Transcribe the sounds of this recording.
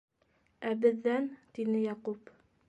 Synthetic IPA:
æbɘ̆ðːænt̪inɘjɑqup

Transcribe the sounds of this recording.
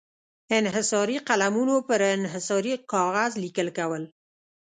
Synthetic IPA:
ɪnɦɪsɑɾiqalamunopəɾɪnɦɪsɑɾikɑɣazlikəlkawəl

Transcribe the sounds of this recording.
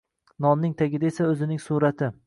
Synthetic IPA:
nɒnːɪŋt̪ʰaɡʲɪd̪aesaɵzɪnɪŋsuɾat̪ʰɪ

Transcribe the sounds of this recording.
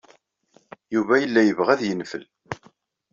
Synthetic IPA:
juvæjəlːæjəvʁæðjənfə̰l

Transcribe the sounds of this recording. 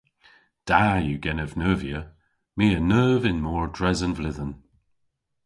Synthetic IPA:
d̥ajuːɡɛnəvnəːvjə | miːənəːvɪnmɔːɹdɹɛzənvlɪðən

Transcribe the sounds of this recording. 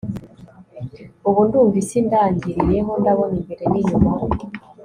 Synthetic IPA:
uβuːnduɱvisindaːɲɟiɾijeɦondaβoniɡeɾeniɲuma

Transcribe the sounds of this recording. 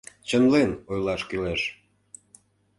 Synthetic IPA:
t͡ɕənlenojlɑʃkyleʃ

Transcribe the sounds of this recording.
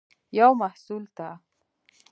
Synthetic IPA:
jawmahsult̪a

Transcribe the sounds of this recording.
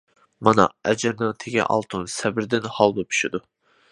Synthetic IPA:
mɑnɑ̰ɛd͡ʒɛɾnɪŋt̪ʰeɡʲɛ̰ʔɑ̰lˠt̪ʰunsɛbɪɾd̪ɪnhɑlˠd̪ɨpʰy̥ʃɪd̪u

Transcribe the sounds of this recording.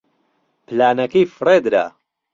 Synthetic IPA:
pʰlaːnɐkijfɨreːd̪ɾa̰

